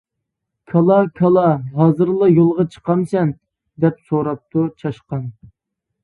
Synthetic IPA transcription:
kʰɑlˠɑkʲʰɑlˠɑɦɑːzɨɾlˠɑjolˠʁɑt͡ʃʰə̥qɑmsɛn | d̪ɛpsoɾɑp̚t̪ʰut͡ʃʰɑʃqɑn

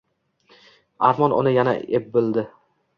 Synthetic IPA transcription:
aɾmɒnʊ̰nɪjana̰ep̚bɪlˠd̪ɪ

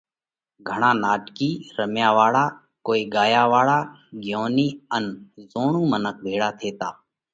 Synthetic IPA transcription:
ɡʱəɳ̃aːnaːʈkiːɾəmjaːʋaːɭaː | koːiːɡaːjaːʋaːɭaː | ɡjoːniːənzoːɳũːmənək̚bʱeːɽaːt̪ʰeːt̪aː

